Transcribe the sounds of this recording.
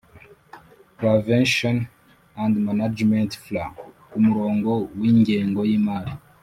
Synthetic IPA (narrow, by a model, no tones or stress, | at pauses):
pɾavenʃon | ãndmanad͡ʒmentflaɡkumuɾoːŋɡo̞wiːɲɟeːŋɡojiːmaɾi